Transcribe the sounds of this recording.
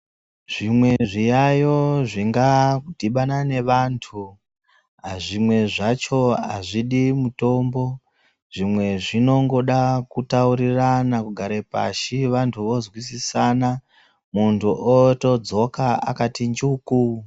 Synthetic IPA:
ʐ̥imwe̞ʐijajo̞ʐiŋɡadʱiɓanane̞ʋantʰu | aʐimwe̞ʐat͡ʃo̞ɦa̰ʐiɗimuto̞mbo̞ | ʐ̥imwe̞ʐino̞ŋɡo̞ɗakutauɾiranakuɡʱaɾepa̰ʃiʋantʰuʋo̞zwisisana | muntʰuʔoto̞d͡zo̞kaa̰katind͡ʒuku

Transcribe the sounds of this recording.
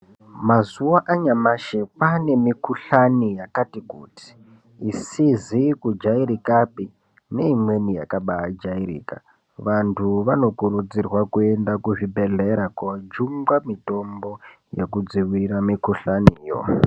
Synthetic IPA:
mazuwaʔaɲamaʃepane̞mikuɬanijakatikṵːti̥ː | sizikud͡ʒaiɾikapi | ne̞imwe̞nija̰kaɓaːd͡ʒaiɾḭːka̰ | ʋantʰuʋano̞kuɾud͡zirwakue̞ndakuʐibʱe̞ɮe̞ɾakad͡ʒuŋɡwamito̞mbo̞ | jḛkud͡ziwiɾamikuɬaniːjo̰

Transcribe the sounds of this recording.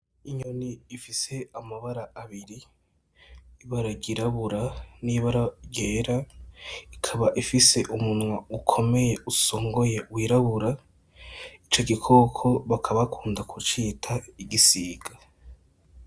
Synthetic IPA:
iɲoniːfise̞amaβaɾaːβiɾi | βaɾaɡiɾaβuɾaniβaɾaɟeːɾa | ikʰaβaʔifise̞ʔumunŋwaukʰo̞me̞je̞usoːŋɡo̞je̞wiɾaβuɾa | it͡ʃo̞ɡikʰo̞kʰo̞βakʰaβakʰuːndakʰut͡ʃiːtʰaiɡisiːɡ̥a

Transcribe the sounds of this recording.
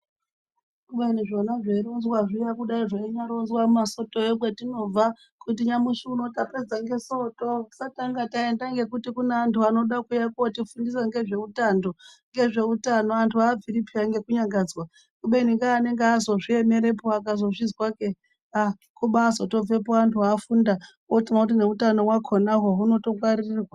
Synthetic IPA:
kuɓeniʐo̞naʐeiɾonzwaʐijakuɗaiʐeiɲaɾonzwamaso̞toeɓwetino̞va | kutiɲamuʃuuno̞taped͡zaŋɡe̞so̞to̞sataŋɡatae̞ndaŋɡe̞kutikuneantʰuano̞ɗakujakotifundisaŋɡe̞ʐe̞utando̞ŋɡe̞ʐe̞utano̞antʰuaːviɾipʰiaŋɡe̞kuɲaŋɡad͡zwa | kuɓeniŋɡaːne̞ŋɡeazo̞ʐie̞me̞ɾe̞poakazo̞ʐizwake | a | kuɓaso̞to̞b͡ve̞poantʰuaːfuːnda | otiŋakut̬ine̞utano̞wakʰonaɦoɦuno̞to̞ɡwaɾirirwa

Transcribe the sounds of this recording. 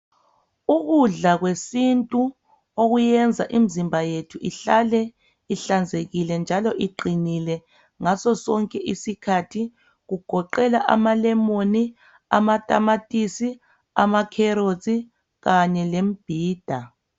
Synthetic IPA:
uɣuɮaɣwesintʼu | oɣujɛnd͡zʱaʔim̩zimbʱajetʰuʔiɬalɛ | iɬand͡zʱeɣilɛnd͡ʒʱalɔʔiɡ͡ǃʱinilɛ | ŋasɔsɔŋkʼɛʔisikʰatʰi | ɣuɡ̥ʱɔǃɛlaʔa̰malɛmoni | a̰matʼamatʼisi | amakʰɛɾozʼi | ɣaɲɛlem̩b̥ʱiːd̥ʱa

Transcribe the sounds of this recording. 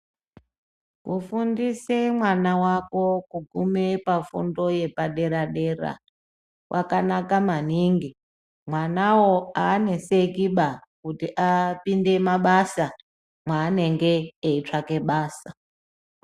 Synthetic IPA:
kufundisemwanawako̞kuɡʱumepafṵndo̞je̞paɗe̞ɾaɗe̞ra̰ | wʔa̰kanakaman̤iŋɡi | mwanawoaːne̞sekiɓakutiʔapinde̞maɓasa | mwaːne̞ŋɡe̞ːit͡ʂake̞ɓaːsa

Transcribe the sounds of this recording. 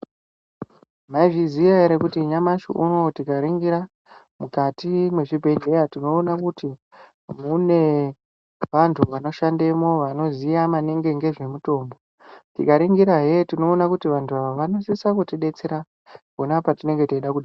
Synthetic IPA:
maiʐiziʋaeɾekutiɲamaʃṵʔuno̞tikaɾiŋɡiɾa | mukatimwe̞ʐibʱe̞ne̞jatino̞ːnakuti | mune̞ | ʋantʰuʋano̞ʃande̞mo̞ʋano̞zijamaneŋɡe̞ŋɡe̞ʐe̞muto̞ːmbo | tḭkaɾiŋɡiɾaɦe̞tino̞ːnakutiʋantʰuaʋoʋano̞sisakutiɗe̞t͡seɾa | konapatine̞ŋɡe̞toiɗakuɗa

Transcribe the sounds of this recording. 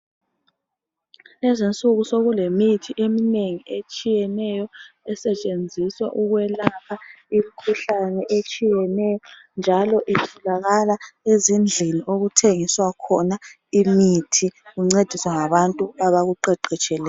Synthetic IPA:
lɛzint͡sʼuɣusoɣulemitʰiʔemineŋiʔet͡ʃʼijɛnɛjɔɛsɛt͡ʃʼend͡zʱiswa̰ʔuɣwɛlapʰa | im̩kʰuɬanɛʔet͡ʃʼijɛnɛjɔ | nd͡ʒʱalɔʔitʰulaɣalaezind͡ɮʱiniʔoɣutʰeŋiswakʰɔna | imitʰiɣuŋ͡ǀed̥ʱiswaŋaβantʼuaβaɣuǃɛǃɛt͡ʃʼɛlɛː

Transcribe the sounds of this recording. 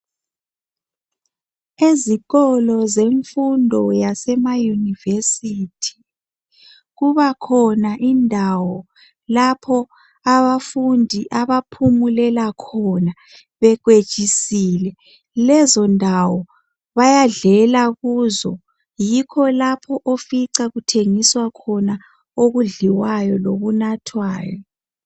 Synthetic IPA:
eziɣɔlɔzeɱfundʱɔjasɛmajunivesitʰi̥ | ɣuβakʰɔnaʔindʱawɔ | lapʰɔ | aβafundʱiʔaβapʰumulɛlakʰɔna | βɛɣwe̥t͡ʃʼisiːlɛ | lɛzɔndʱawɔ | βajaɮɛlaɣuːzɔ | jikʰɔlapʰɔʔofiǀaɣutʰeŋiswakʰɔna | oɣuɮiwajɔloβunatʰwaːjɔ

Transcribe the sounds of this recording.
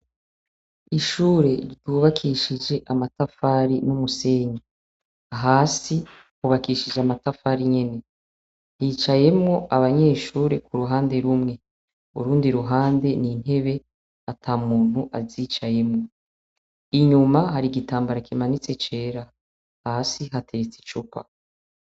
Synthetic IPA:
iʃuːɾe̞ɾɟuːβakʰiːʃid͡ʒe̞ʔamatafaːɾinumuse̞ːɲa | aɦaːsi | uβakiʃid͡ʒeamatafaɾiɲe̞ne̞ | hiːt͡ʃaje̞mŋo̞aβaɲe̞ːʃuːɾekuɾuɦaːnde̞ɾumŋe̞ | uɾuːndiɾuɦaːnde̞nin̥he̞βe̞ | atʰaːmuːn̥huʔazit͡ʃaje̞mŋo̞ | iɲumahaɾiɡitaːmbaɾakimanit͡se̞t͡ʃe̞ːɾa | hasiɦatʰe̞ɾet͡si̥t͡ʃupa̰

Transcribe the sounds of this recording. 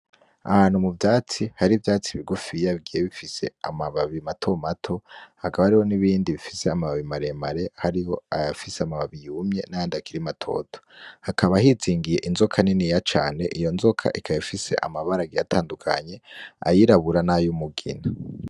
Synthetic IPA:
a̰haːn̥humuvjaːt͡sihaɾivjaːt͡siβiɡufijaβɡijeβifise̞̰a̰maβaβimatʰo̞matʰo̞hakaβaɾiho̞niβiːndiβifiseamaβaβimaɾe̞maɾe̞haɾiho̞aafiseamaβaβijumɲe̞najaːndakiɾimatʰo̞̰tʰo̥hakaβahiziːŋɡije̞ʔinzokʰaninijat͡ʃaːne̞ʔijo̞nzokʰa̰ʔikʰajifise̞̰ʔa̰maβaɾaɡijatʰaːndukʰa̰ɲe̞a̰jiɾaβuɾanajumuɡḭna

